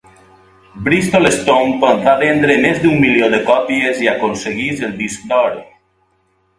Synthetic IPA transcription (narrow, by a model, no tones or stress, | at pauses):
bɾist̪olest̪ompənfaβɛnd̪ɾemezd̪umːiljoðəkɔpieziakonseɣizelˠd̪isk̚d̪ɔɾe